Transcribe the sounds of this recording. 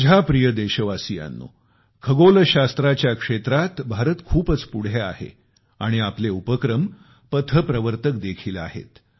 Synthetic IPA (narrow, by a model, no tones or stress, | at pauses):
d͡ʑʱapɾijəd̪eɕəʋasija̰nːṵ | kʰəɡoləɕast̪ɾat͡ɕjakʂet̪ɾat̪bʱaɾət̪kʰuːpət͡spuɽ̤ea̰hḛ | aɽ̃iapleupəkɾəm | pət̪ʰəpɾəʋəɾt̪ək̚d̪ekʰiːla̰ɦḛt̪